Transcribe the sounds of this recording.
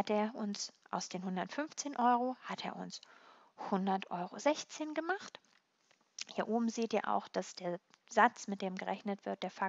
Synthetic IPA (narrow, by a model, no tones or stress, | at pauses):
hateːɐʔʊnsʔa̰ʊsd̥eːnhʊndɐtfʏnft͡seːnʔɔʏʁohatʰeːɐʔʊ̰ns | hʊndɐtʔɔʏʁozɛçt͡seːnɡəmaχt | hiːɐʔoːbm̩zeːtiːɐʔa̰ʊxd̥asd̥eːɐzat͡smɪt̚d̥eːmɡəʁɛçnətv̥ɪɐt̚d̥eːɐfa